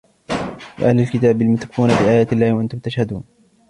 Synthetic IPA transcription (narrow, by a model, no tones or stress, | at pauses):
bɪ̰ʔa̰hlɪlkɪt̪aːbɪlmʊθkːuːnafiːʔaːjaːt̪ɪlːaːhwaʔant̪ʊmt̪aʃhad̪ṵːn